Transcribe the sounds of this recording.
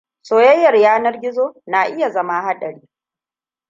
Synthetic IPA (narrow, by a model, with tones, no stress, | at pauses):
soː˨jɐ˦jːɐ˨rjaː˦nɐ˦rɡʲɪ˦zoː˦na˨ʔɪ˦ja˨zɐ˦ma˦ha˦ɗɐ˨ɽiː˦